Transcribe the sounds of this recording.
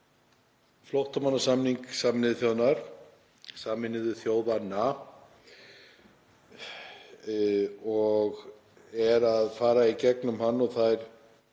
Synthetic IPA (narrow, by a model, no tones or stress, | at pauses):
flowht̪amanːasamniŋksamnɪðθjownaɾ̥ | saːmɪnɪðʏθjoːwðanːa | ɔɣ | ɛɾaðfaːɾaicɛknʏmhanːɔɣθajɾ̥